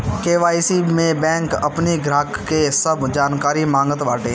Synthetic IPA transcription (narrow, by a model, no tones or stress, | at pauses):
keːʋaːisimẽbɛ̃ːŋkɐpniɡɾaːkːesəbd͡ʒaːnkaːɾimãːŋɡət̪ʋaːʈeː